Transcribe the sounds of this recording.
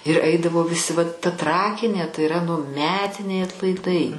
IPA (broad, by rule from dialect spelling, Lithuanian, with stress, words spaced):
ɪr ˈɐɪdɐʋoː ʋʲɪˈsʲɪ ʋɐt tɐ ˈtrɑːkʲɪnʲeː tɐɪ ɪˈrɐ nʊ ˈmʲæːtʲɪnʲɛɪ ɐtlˠɐɪˈdɐɪ